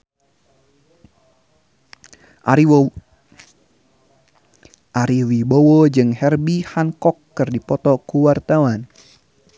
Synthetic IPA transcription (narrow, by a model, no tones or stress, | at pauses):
ʔaɾiwibowod͡ʒɨŋhɛrbihankɔkːɨrdipɔt̪ɔkuwart̪awan